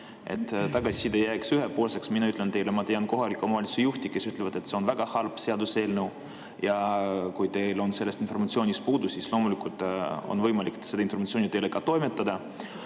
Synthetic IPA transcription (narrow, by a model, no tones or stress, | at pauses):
ʔe̞̰t̪ːˑt̪ɑɡɑsi̥sid̪ejæːksyɦepoːlse̞ksminɑyt̪ˑlent̪e̞jlemɑt̪ejɑnko̞ɦɑlikːˑumɑlʲisejuht̪ike̞syt̪levɑd̪̥e̞t̪se̞o̞nvæɡ̥ɑhɑlb̥se̞ɑd̪use̞ːlnew | jɑkujt̪e̞jlo̞nse̞lːest̪informɑt̪sionʲist̪̚puːd̪usislo̞ːmulikult̪ˑo̰nvɤjmɑlʲikse̥ɑinfo̞rmɑt̪sionit̪elekɑt̪o̞jme̞t̪ːˑɑd̪̥ɑ